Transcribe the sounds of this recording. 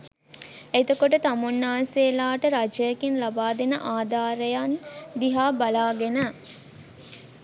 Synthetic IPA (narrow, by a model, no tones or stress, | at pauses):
et̪okoʈət̪amunːaːseːlaːʈəɾad͡ʒəjːkinlabaːd̪enə̰ʔaːd̪aːɾəjand̪iɦaːbalaːɡenə